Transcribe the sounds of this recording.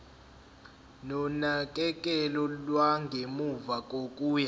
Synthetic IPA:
nɔnakʼɛkʼɛlɔlwaŋɡʱemuvakʼokʼuːja

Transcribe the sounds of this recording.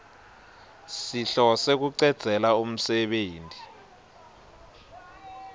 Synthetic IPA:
siɬɔsek̬uǀɛd̥z̥ʱɛlaum̩sɛɓeːntʼi

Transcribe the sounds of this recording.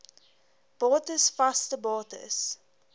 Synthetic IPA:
b̥ɑːtəsfastəbɑːtə̰s

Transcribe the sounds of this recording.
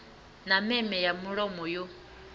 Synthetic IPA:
namɛmɛjamuɺɔmɔjo

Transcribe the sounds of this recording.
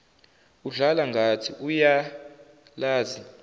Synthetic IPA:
uɮalaŋɡʱatʰiʔuja | laːzi

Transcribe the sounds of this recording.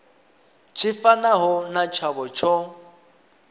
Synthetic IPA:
t͡ʃʰɪfanaɦʊnat͡ʃʰabɔt͡ʃʰɔ

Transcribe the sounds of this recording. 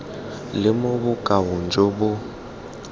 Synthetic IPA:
lɪmʊbʊkʼawʊnd͡ʒobʊ

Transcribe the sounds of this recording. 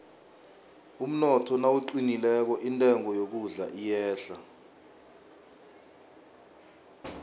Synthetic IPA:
um̩nɔtʰɔnawuǃinilɛk̬ɔʔintʼɛŋʱɔjok̬uɮa̰ʔijɛːɬa

